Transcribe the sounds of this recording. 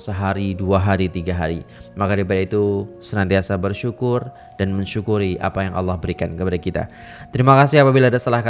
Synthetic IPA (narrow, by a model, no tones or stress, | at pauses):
səɦaɾiduaɦaɾit̪iɡaɦaɾimakaip̬adait̪usənant̪iasabərʃukʊr | danməɲʃukuɾiʔa̰pajaŋʔɑ̰lːɑhbəɾikankəpadakit̪a̰ | t̪əɾimakas̬ɪapabilaːdast̪əlahka